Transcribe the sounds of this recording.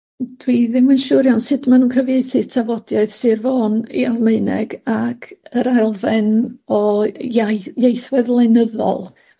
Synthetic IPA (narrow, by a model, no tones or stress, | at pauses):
d̥wiðɪmənʃuːɾjawnsɨdmanuːnkʰəvjejθɨtʰavɔdjaɨð̥sɨrvoːnḭaðmeɨnɛ̰ɡakʰəɾalˠvɛnɔ | jejθwɛðlˠenəðɔ̰lˠ